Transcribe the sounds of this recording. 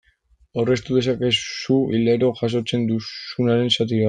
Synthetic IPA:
ore̞st̪uðe̞sake̞suileɾo̞ʝas̬o̞t͡se̞nd̪usunaɾe̞nsat̪̬iβa

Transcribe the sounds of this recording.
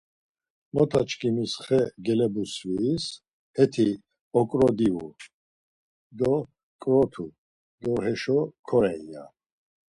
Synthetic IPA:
mɔt̪ʰat͡ʃkʰʼimisχɛɡɛlɛbusvis | hɛt̪ʰi | ɔkʼɾɔd̪iu | d̪ɔ | kʼɾɔt̪ʰu | d̪ɔɦɛʃɔkʰɔɾɛa̰

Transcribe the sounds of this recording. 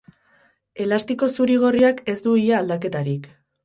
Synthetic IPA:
e̞last̪iko̞suɾiɣ̞o̞riake̞zd̪uiʎaːld̪ake̞t̪aɾik

